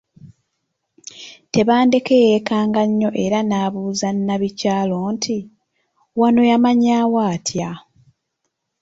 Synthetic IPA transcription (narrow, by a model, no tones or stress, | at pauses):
te̞βaːnde̞kejekaːŋɡaɲːo̞ʔe̞ɾanaːβuːzanːaβicaːlo̞ːntʰi | wano̞jamaɲaːwaːtʰja